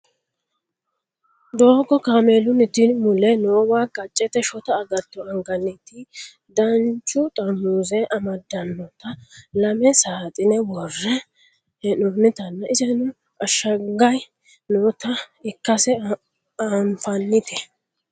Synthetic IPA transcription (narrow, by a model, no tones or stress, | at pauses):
d̪oːɡɔkaːmeːlʊnɪt̪ɪmʊlɛnʊɔwaːkɐt͡ʃʼːɛt̪ɛʃɔt̪ɐːɡɐt̪ːɔɐŋɡɐnːɪt̪ɪ | d̪ɐnt͡ʃːʊt̪ʼɐmːuːzɛʔɐmɐd̪ɐnːɔt̪ɐlɐmɛsaːt̪ʼɪnɛwɔrːɛ | ɛnʊnɪt̪ɐnːɐʔɪzɛnʊ | ɐʃːɐɡɐj | nʊt̪ɐɪkːɐsɛ | amfɐnːɪt̪ʰɛ